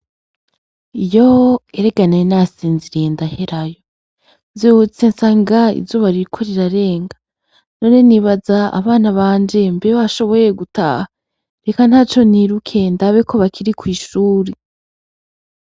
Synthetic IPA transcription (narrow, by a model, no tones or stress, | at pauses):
ijoeɾe̞ɡanenasiːnziɾeːndahe̞ɾajo̞ | nzihut͡se̞nsaːŋɡaḭvzuβaɾiɾikʰo̞ɾiɾaɾe̞ːŋɡa | no̞ːne̞niβazaa̰βaːnaβaːnd͡ʒe̞mbeβaʃo̞βo̞je̞ɡuta̰ːha | ɾe̞kan̥haːt͡ʃo̞niɾukʰe̞ndaβe̞kʰo̞βakʰiɾikwiːʃuːɾi